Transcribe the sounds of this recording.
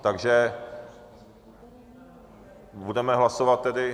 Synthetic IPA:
t̪aɡʒɛ | budɛmɛɦlasovat̪̚ːɛdɪ

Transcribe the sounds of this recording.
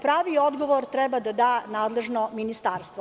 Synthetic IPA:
pɾaːʋiod̪ɡoʋoɾt̪ɾɛbad̪ad̪aːnaːd̪lˠe̞ʒnominist̪aːɾst̪vʋo

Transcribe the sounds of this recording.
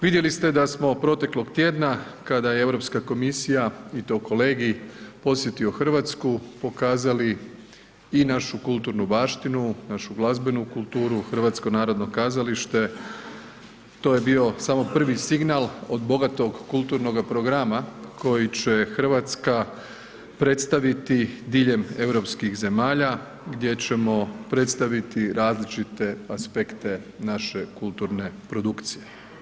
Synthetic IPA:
ʋid̪je̞list̪e̞d̪asmo̞pɾo̞t̪e̞klo̞ɡt̪jeːd̪nakad̪ajeeʋɾo̞pskako̞misijait̪o̞ːko̞leːɡipo̞sje̞t̪io̞xr̩ʋat̪skupo̞kaːzali | inaʃukulˠt̪uːɾnubaːʃt̪inunaʃuɡlˠazbe̞nukulˠt̪uːɾuxrʋat̪sko̞naːɾo̞d̪no̞kazaliʃt̪e̞ | t̪o̞jebio̞samo̞pr̩ʋisiɡnalˠo̞d̪bo̞ɡat̪o̞ɡkulˠt̪uɾno̞ɡapɾo̞ɡɾamakʰo̞jit͡ɕe̞xər̩ʋat̪ska | pɾe̞t̪st̪aʋit̪id̪iʎe̞me̞wɾo̞pskixze̞maːʎa | ɡd̪je̞t͡ɕe̞mo̞pɾe̞t̪st̪aʋit̪iɾaːzlit͡ʃit̪e̞aspekt̪e̞ | naʃe̞kulˠt̪uɾne̞pɾo̞d̪ukt̪sije̞

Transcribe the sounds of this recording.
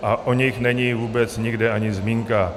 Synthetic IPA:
ʔaʔoɲɪxnɛɲivuːbɛt͡sɲɪɡdɛʔaɲɪzmiːŋka

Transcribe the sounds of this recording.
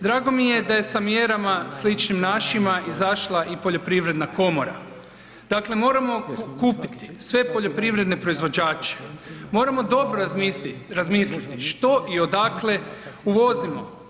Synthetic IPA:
d̪ɾaːɡo̞mije̞d̪aje̞samje̞ɾamaslit͡ʃnimnaːʃimaʔizaʃlˠaʔipo̞ʎo̞pɾiʋɾe̞d̪nako̞mo̞ɾa̰ | d̪̥akle̞mo̞ːɾamo̞kuːpit̪i̥sʋe̞po̞ʎo̞pɾiʋɾe̞d̪ne̞pɾo̞izʋo̞d͡ʑaːt͡ʃe̥mo̞ːɾamo̞d̪o̞bɾoɾazmiːslit̪iʃt̪o̞ʔio̞d̪akle̞uʋo̞zimo̞

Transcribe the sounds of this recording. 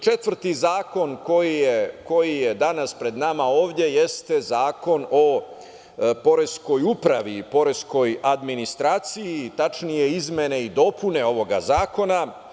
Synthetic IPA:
t͡ʃe̞t̪ʋr̩t̪izaːko̞nko̞jijeko̞jije̞d̪anaspɾe̞d̪namao̞ːʋd̪ʲje̞je̞st̪e̞zaːko̞no̞ | po̞ɾe̞sko̞jupɾaʋipo̞ɾe̞sko̞jad̪minist̪ɾaːt̪sijit̪at͡ʃnije̞izme̞ne̞id̪o̞pune̞o̞ʋo̞ɡa̰zaːko̞na

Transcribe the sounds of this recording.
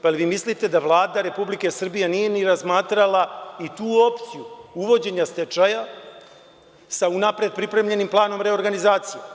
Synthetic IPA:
paliʋiːmislit̪e̞d̪aʋlˠaːd̪aɾe̞publike̞sr̩bijenije̞niɾazmaːt̪ɾalˠait̪uːo̞pt̪sijuuʋo̞d͡ʑe̞ɲast̪et͡ʃaja | saunapɾe̞d̪̚pɾipɾe̞mʎe̞nimplˠaːno̞mɾe̞o̞ɾɡanizaːt̪sije

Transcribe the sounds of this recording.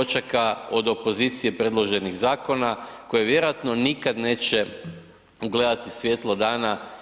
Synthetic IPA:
t͡ʃakao̞d̪o̞po̞ziːt̪sije̞pɾe̞d̪lˠo̞ʒe̞niɣzaːko̞nako̞jeʋje̞ɾoat̪no̞nikad̪ne̞ːt͡ʃe | uɡle̞d̪at̪isʋje̞t̪lˠod̪aːna

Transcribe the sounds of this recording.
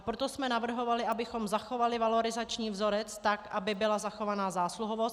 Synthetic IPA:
pɾot̪o̞smɛnavr̩ɦo̞valɪʔabɪxo̞mzaxo̞valɪvalo̞ɾɪzat͡ʃɲiːvzo̞ɾɛt͡st̪akʔabɪbɪlazaxo̞vanaːzaːsluɦovost̪

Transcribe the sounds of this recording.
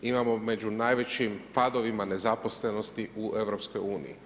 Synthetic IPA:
imamo̞med͡ʒunaːjʋe̞t͡ɕimpad̪oʋimane̞zaposle̞no̞st̪iuʔe̞ʋɾopskojuːnḭjḭ

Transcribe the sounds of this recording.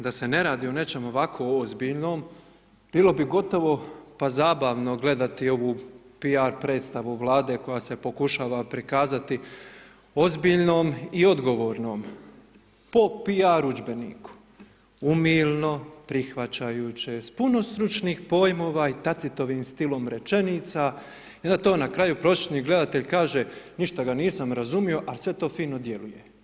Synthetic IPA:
d̪ase̞ne̞ɾaːd̪iːo̞ne̞t͡ʃe̞mo̞ʋakʰo̞ozbiːʎno̞ːm | b̥iːlˠo̞biɡo̞t̪o̞ʋo̞pazaːbaːʋno̞ɡle̞d̪at̪io̞ʋuːpiaɾpɾe̞ːt̪st̪aʋuʋlaːd̪e̞ːko̞jaːsepo̞kuʃaːʋapɾikaːzat̪i | o̞zbiːʎnoːmio̞d̪ɡo̞ʋo̞ːɾno̞ːm | po̞piaɾud͡ʒbe̞nḭːku̥ | umiːlno̞pɾixʋat͡ɕajuːt͡ɕespuno̞st̪ɾut͡ʃniːxpo̞ːjmo̞ːʋait̪at̪sit̪o̞ʋiːmst̪ilo̞mɾe̞t͡ʃe̞nit̪sa | ond̪at̪o̞ːnakɾaːjupɾo̞set̪niɡle̞d̪at̪e̞ʎkaːʒeniʃt̪aɡaniːsamɾazumio̞ʔalsʋe̞t̪o̞ːfiːno̞d̪je̞lujḛ

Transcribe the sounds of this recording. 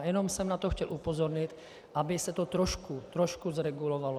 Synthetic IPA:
jɛnomsɛmnat̪oxcɛlʔupozoɾɲɪt̪ | ʔabɪsɛt̪ot̪ɾoʃkut̪ɾoʃkuzɾɛɡulovalo

